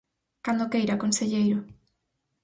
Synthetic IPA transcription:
kand̪okejɾakonseʎejɾo

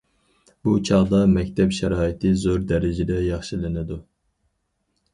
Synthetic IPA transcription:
but͡ʃʰɑʁd̪ɑmɛkʲt̪ʰɛpʃɛɾɑːit̪ʰɨzoɾd̪ɛɾɪd͡ʒɛd̪ɛjɑχʃilɪnɪd̪u

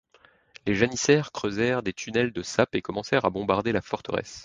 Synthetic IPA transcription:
leʒanisɛʁkχøzɛʁd̪et̪ʰynɛld̪əsapekɔmɑ̃sɛʁabɔ̃baʁd̪elafɔʁt̪əʁɛ̰s

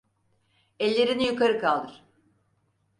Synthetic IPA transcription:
ɛlʲːe̞ɾinijykʰaɾɯkalˠd̪ɯɾ̥

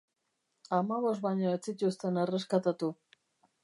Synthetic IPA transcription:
amaβo̞sbaɲoet͡sic̪ust̪e̞nereskat̪at̪u

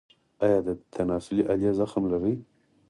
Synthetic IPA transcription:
ɑjɑd̪ət̪ʰanɑsʊliʔaljazaxmlaɾi

